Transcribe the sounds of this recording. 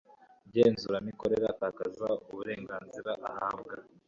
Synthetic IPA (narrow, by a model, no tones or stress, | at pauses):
bɟeːnzuɾamikoɾe̞ɾakaːkazauβuɾe̞ːŋɡaːnziɾaʔahaːbɡa